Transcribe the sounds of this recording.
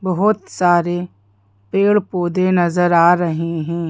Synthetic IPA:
bɐɦʊt̪saːɾe | peːɭpoːd̪enɐzəɾaːɾɐɦeɦɛ̃ː

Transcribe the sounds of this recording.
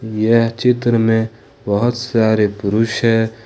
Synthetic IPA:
jet͡ʃɪt̪ɾəmẽ | bəɦʊt̪saːɾepʊɾuʃɦɛ

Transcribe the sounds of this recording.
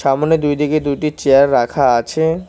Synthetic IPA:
ʃamoned̪ujd̪iked̪ujʈit͡ɕeaɾːakʰaat͡ɕʰe

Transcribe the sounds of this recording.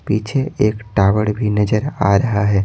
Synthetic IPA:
piːt͡ʃʰeeːkʈaːʋəɽbʱinɐd͡ʒəɾa̰ːɾɐɦaɦɛː

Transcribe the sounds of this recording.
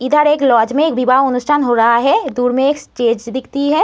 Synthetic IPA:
ɪd̪ʱəɾeːklɔːd͡ʒmẽeːkbibaːɐnʊsʈʰaːnɦoːɾaɦaɦɛd̪uːɾmẽeːksʈeːd͡ʒd̪ɪkʰt̪iɦɛː

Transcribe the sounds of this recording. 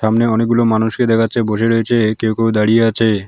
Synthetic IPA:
ʃamneɔnek̚ɡulomanuʃked̪ɛkʰatːɕʰeboʃeɾoet͡ɕʰekewkewd̪aɽijeat͡ɕʰe

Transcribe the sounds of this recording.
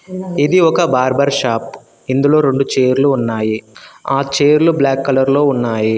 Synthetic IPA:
id̪iɔkɐbaːɾbɐɾʃaːp | ind̪ulo̞ːɾe̞ɳɖut͡ʃeːɾluːnːaːjiaːt͡ʃeːɾlublaːkːɐlɐɾlo̞ːunːaːji

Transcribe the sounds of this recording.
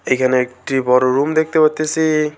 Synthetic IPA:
ejkʰaneekʈibɔɾoɾumd̪ek̚ʰt̪ebʌt̪ːesi

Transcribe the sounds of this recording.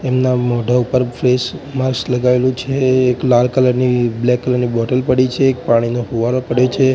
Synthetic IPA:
emnamɔɖʱaupəɾfʰɾesməɾsləɡaelũt͡ʃʰeːklalkələɾniblɛkːələɾnibɔʈəlpəɽit͡ʃʰeːk̚paɽ̃inoɦuʋaɾopəɽjot͡ʃʰe

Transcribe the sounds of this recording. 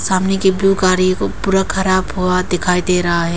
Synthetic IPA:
saːmnekibjukaːɾikopuːɾakʰɐɾaːbɦuad̪ɪkʰaːid̪eːɾɐɦaɦɛː

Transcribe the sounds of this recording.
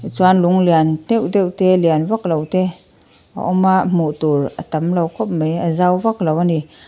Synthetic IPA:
t͡swanluŋliant̪ewd̪ewʔt̪ɛlianvak̚lowt̪ɛ | ʔa̰ʔɔmaʔmoʔt̪uɾʔə̰t̪amlawkʰɔp̚məjəzawvak̚lowani

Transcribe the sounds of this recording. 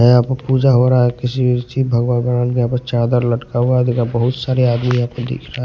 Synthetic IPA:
ɦɛapəpuːd͡ʒaɦoɾaɦɛkɪsibiɾt̪ʰibʱəɡwanɡəɾaːnkeɦãpəɾt͡ʃaːd̪əɾləʈkaɦuad̪ikabəɦʊt̪saːɾeaːd̪mijɦãpəd̪ḛːkʰɾaa

